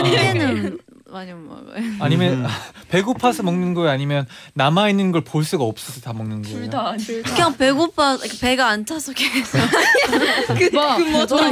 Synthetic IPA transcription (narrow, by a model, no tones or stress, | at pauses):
enɯn | maɲma̰aɲimjʌnpe̞ɡopʰasʰʌmʌŋnɯnɡʌeaɲimjʌnnamainːɯnɡʌɭpoɭs͈uɡaʌp̚s͈ʌsʰʌtamʌŋnɯnɡʌkɯɡaŋpe̞ɡopʰaskʰape̞ɡaːnt͡ɕʰasʰʌkeɡes͈o | ɯ